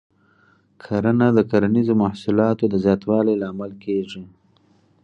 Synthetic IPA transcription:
kʰaɾanad̪əkaɾanizomahsulɑt̪od̪əzjɑt̪wɑlejlɑːmalkʰeʐi

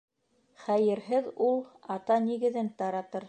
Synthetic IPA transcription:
χæjɘ̆ɾɦɘðulˠɑt̪ɑniɡɘ̆ðɘnt̪ɑɾɑt̪ɤɾ

